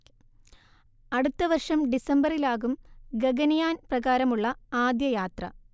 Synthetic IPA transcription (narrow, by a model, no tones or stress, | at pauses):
ɐɽut̪ːɐʋɐrʂɐmɖisɐmbɐrilaːɣumɡeɡɐnɐjaːnprɐɣaːɾɐmuɭːɐaːd̪jɐjaːt̪rɐ